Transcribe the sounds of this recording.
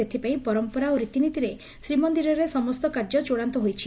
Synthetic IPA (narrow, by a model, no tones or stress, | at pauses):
et̪ʰipaĩpɔɾɔmpɔɾaoɾit̪init̪iɾe | sɾimɔnd̪iɾɔɾesɔmɔst̪ɔkaɾd͡ʒɔt͡ʃoɽant̪ɔɦojt͡ʃʰi